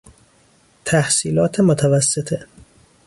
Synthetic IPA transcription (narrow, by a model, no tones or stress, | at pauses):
t̪ʰæhsiːlɒːt̪ʰemot̪ʰævæsːet̪ʰe